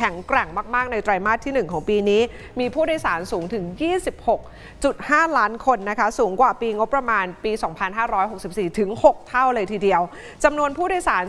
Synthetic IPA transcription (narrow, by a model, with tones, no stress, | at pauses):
kʰɛ˩˦ŋkɾɛ˨˩ŋmaː˥˩k̚maː˥˩k̚na˧jt̪ɾaː˧jmaː˥˩t̪ʰːiː˥˩nɯ˨˩ŋkʰɔː˩˦ŋpiː˧niː˦˥ | miː˧pʰuː˥˩da˧jsaː˩˦nsuː˩˦ŋt̪ʰɯ˨˩˦ŋjiː˥˩si˨˩p̚ho˨˩k̚ | t͡ɕu˨˩t̪̚haː˥˩laː˦˥nkʰo˧nːa˦˥kʰa˦˥suː˩˦ŋkwaː˨˩piː˧ŋo˦˥pːɾa˧maː˧npiː˧sɔː˩˦ŋpʰa˧nɦaː˥˩ɾɔː˦˥jɦo˨˩k̚si˨˩p̚siː˨˩t̪ʰɯ˩˦ŋho˨˩k̚t̪ʰa˥˩wlɤː˧jt̪ʰiː˨˩di˧əw | t͡ɕa˧mnu˧ənpʰuː˥˩da˧jsaː˩˦n